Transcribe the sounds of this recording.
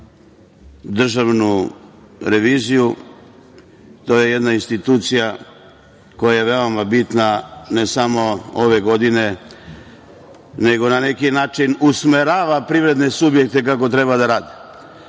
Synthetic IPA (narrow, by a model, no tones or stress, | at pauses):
d̪r̩ʒaʋnu | ɾe̞ʋiːziju | t̪o̞ːje̞jed̪nainst̪it̪uːt̪sija | ko̞jaje̞ʋe̞omabit̪nanesamo̞oʋe̞ɡo̞d̪ine̞ | ne̞ɡo̞nane̞kinaːt͡ʃinusme̞ɾaːʋapɾiʋɾe̞d̪ne̞subje̞k̚t̪e̞kako̞t̪ɾe̞bad̪aɾaːd̪e̥